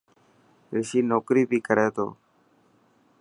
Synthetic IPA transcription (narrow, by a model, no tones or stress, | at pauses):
ʋɪʃiːnoːkɾiːbʱiːkəɾeːt̪o̰ː